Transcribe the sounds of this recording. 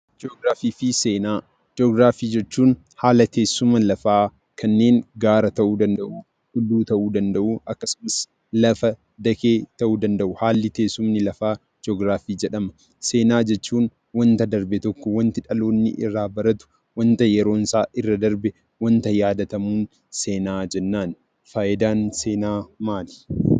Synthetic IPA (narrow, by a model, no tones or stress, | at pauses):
d͡ʒoːɡɾaːfiːfise̞ːnaː | d͡ʒoːɡɾaːfiːd͡ʒɛt͡ʃːuːn | haːlɐt̪ʰe̞ːsːʊmɐlɐfaː | kɐnːe̞ːŋɡaːɾɐt̪ɐʔuːd̪ɐnd̪ɐʔuː | hʊlːuːt̪ɐʔuːd̪ɐnd̪ɐʔuːʔɐkːɐsʊmɐs | lɐfɐ | d̪ɐkeːt̪ɐʔuːd̪ɐnd̪ɐʔʊhaːlːɪt̪e̞ːsːʊmnɪlɐfaː | d͡ʒɔɡɾaːfiːd͡ʒɛᶑɐmɐ | se̞ːnaːd͡ʒɛt͡ʃːuːn | wɐnt̪ɐd̪ɐɾbɛt̪ɔkːɔwɐnt̪ɪᶑɐlo̞ːnːɪ̰ʔɪrːaːbɐɾɐt̪ʊ̥ | wɐnt̪ɐjɛɾo̞ːnsaːʔɪrːɐd̪ɐɾbɛ | wɐnt̪ɐjaːd̪ɐt̪ɐmuːn | se̞ːnaːd͡ʒɛnːaːn | faːjɪd̪aːnse̞ːnaːmaːlɪ̥